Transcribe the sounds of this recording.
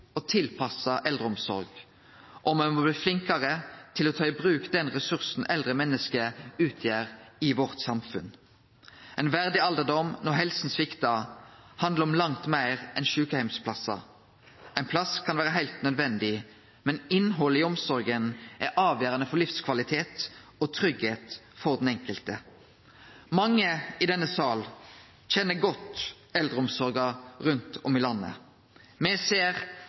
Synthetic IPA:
ɔt̪ʰɪlpʰɑsɑʔɛld̪ʁəɔmsɔ̰ʁɡ | ʔɔmɛmɔbliːflɪŋkəʁət̪ʰɪlɔːt̪ʰɑːɪbʁʉːkd̪ɛnʁɛsʉʁsn̩ɛld̪ʁəmɛnːəskəʉːt̪ʰjæːʁɪʋɔʁt̪sɑmfʉn | ɛɪnʋæʁd̪ɪɑld̪əʁd̪ɔmnɔɦɛlsn̩sʋɪkt̪ɑhɑnd̪ləɔmlɑŋt̪mæɪʁɛnʃʉːkəhæɪmspʰlɑsɑ̰ | ʔæɪnpʰlɑskʰɑnʋæːɾəɦæɪlt̪nœd̪ʋɛnd̪ɪ | mɛnɪnɦɔlːəɪɔmsɔɾɡənʔɛɾʔɑːʋjøːɾɑnəfɔʁlɪfskʰʋɑlɪt̪ʰeːt̪ | ɔt̪ʰʁʏɡheːt̪ | fɔɾd̪n̩ɛŋkəlt̪ə | mɑŋːəɪd̪ɛnːəsɑːl | c͡çɛnːəɡɔt̪ | ɛld̪ʁəɔmsɔɾɡɑʁʉnt̪ʰɔmɪlɑnːə̰ | mɛseːʁ

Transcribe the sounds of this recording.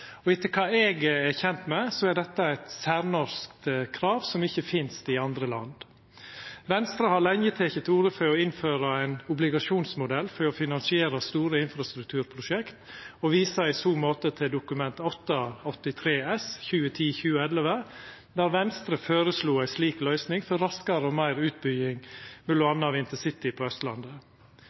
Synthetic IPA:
ɔɪt̪ʰːəkʰɑːɛːɡɛçɛnt̪mɛsɔæɖ̪ɛt̪ːəæɪt̪sæːɾnɔɾskt̪kʰɾɑːʋsɔmɪçːəfɪnst̪ɪɑnd̪ɾəlɑ̰nd̪ | ʋɛnst̪ɾəhɑɾlɛŋjət̪ʰɛːkət̪ʰuːɾəfɔɾɔɪnføːɾɑæɪnʊblɪɡɑʂuːnsmʊd̪ɛlfɔɾɔfɪnɑnsɪeːɾɑst̪uːɾəɪnfɾɑst̪ɾʉk̚t̪ʰʉːɾpʰɾʊʃɛkt̪ɔʋiːsəæɪsuːmoːt̪ət̪ʰɪld̪ʊkʉmɛnt̪ɔt̪ːɑɔt̪ːɪt̪ʰɾeːɛsçʉːət̪ʰiːçʉːəɛləʋə | d̪æːɾʋɛnst̪ɾəføːɾəsluːæɪsliːklœʏsnɪŋfɔɾːɑskəɾəɔmæɪɾʉːt̪̚bʏɡɪŋmɛlːʊɑnːəɑʋɪnt̪əsɪt̪ɪpʰɔœst̪lɑnd̪ə

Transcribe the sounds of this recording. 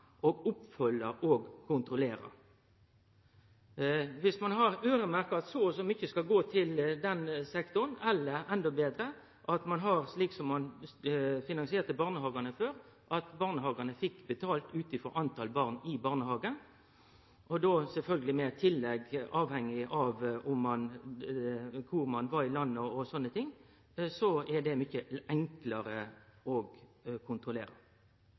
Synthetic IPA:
ʔoːɡʊpfœlːəoːɡkʰʊnt̪ʁʊleːɾɑ̰ | ʋɪsmɑnɦɑʁøːʁəmæʁkəɑt̪sɔsɔmʏçːəskɑlɡoːt̪ʰɪld̪ɛnsɛkt̪ʊʁənɛlːəɾɛnd̪ɔbeːd̪ɾə | ʔɑt̪mɑnɦɑʁsliːksɔmːɑn | fɪnɑŋsɪeːʁt̪əbɑːʁnəhɑːɡɑnəføːɾ | ʔɑt̪bɑːʁnəɦɑːɡɑnəfɪkːbət̪ʰɑːlt̪ʉːt̪ɪfɔɾɑnt̪ʰɑːlbɑːʁnɪbɑːʁnəhɑːɡən | ʔɔd̪osɛlfœlɡəlɪmɛt̪ʰɪlːɛɡɑːʋhɛŋːɪʔɑʋʊmːɑn | kʰʊʁmɑnʋɑɾɪlɑnːəɔsɔnːət̪ʰɪŋ | sɔɛɖ̪ɛmʏçəʔɛŋklɑɾəɔɡkʰʊnt̪ʁʊleːɾə

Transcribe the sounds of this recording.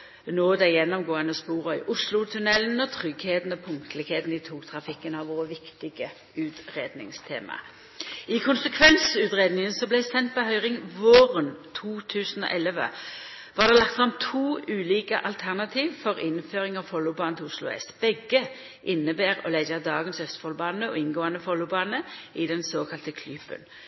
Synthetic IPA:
noːd̪æjɛnːɔmɡoːənəspuːʁəʏʔʊslʊt̪ʰʉnɛln̩ɔt̪ʰʁʏɡheːt̪n̩ɔpʰʊŋt̪ʰəlɪkheːt̪n̩d̪ɪt̪ʰuːkt̪ʰʁɑfɪkːənɑʋʋoːʋɪkt̪ɪɡə | ʉːt̪ʁeːd̪nɪ̰ŋst̪ʰḛːmɑ̰ | ɪkʰʊnsəkʰʋɛnsʉːt̪ʁeːd̪nɪŋənsɔblæɪsɛnt̪̚bɔɦœʏʁɪŋʋoːʁənt̪ʰuːt̪ʰʉːsənɔ̰ːʔɛlːəʋə̰ | ʋɑːʁd̪ɛːlɑk̚t̪fʁɑmt̪ʰuːʉːliːkəʔɑlt̪ʰæʁnɑt̪ʰiːʋfɔʁɪnːføːʁɪŋɑʋfɔlːʊbɑːnət̪ʰʊslʊ̰ɛ̰sb̥ɛɡə | ʔɪnːəbæːʁɔ̰læɪd͡ʒəd̪ɑːɡənsœst̪fɔlbɑːnəɔ̰ɪnɡoːɑnəfɔlːʊbɑːnəɪd̪ɛnsoːkʰɑlt̪əkʰlyːpə̰n

